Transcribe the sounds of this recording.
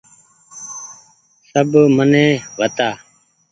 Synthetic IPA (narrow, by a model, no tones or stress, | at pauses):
səbmənɛ̃ːʋət̪aː